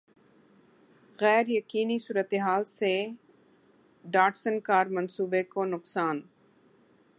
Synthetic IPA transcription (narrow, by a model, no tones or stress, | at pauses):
ɣɛːɾjəkiːnisuːɾət̪eɦaːlse | ɖaːʈsənkaːɾmɐnsuːbekoːnʊqsaːn